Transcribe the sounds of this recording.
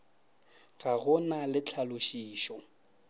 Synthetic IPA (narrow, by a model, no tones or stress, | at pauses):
ɣʼaɣʊnalɪt͡ɬʰalʊʃiːʃɔ